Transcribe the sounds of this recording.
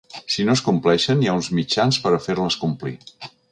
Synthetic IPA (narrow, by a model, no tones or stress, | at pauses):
sinoskumplɛʃənijaunzmit͡ʃanspəɾəfeɾləskumplḭ